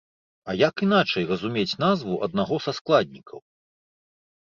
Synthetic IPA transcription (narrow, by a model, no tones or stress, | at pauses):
ɐjakinat͡ʂɐjrɐzumʲet͡sʲnazvuʔɐ̰d̪̚naɣɔsasklˠad̪̚ʲnʲikʰɐw